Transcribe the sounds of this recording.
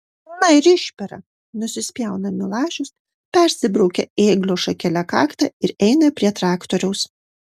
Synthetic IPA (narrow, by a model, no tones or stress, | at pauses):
nɐɪɾɪʃʲpʲɛɾɐ̰ | nʊsʲɪsʲpʲjɛˑʊnɐmʲɪlˠɑːʒʲʊs | pʲɛɾʲsʲɪbɾɒʊkʲɛeːɡlʲoːʃɐkʲɛlʲɛkɑːkt̪ɐɪɾɛɪnɐpʲɾʲiɛt̪ɾɑːkt̪oɾʲɛʊs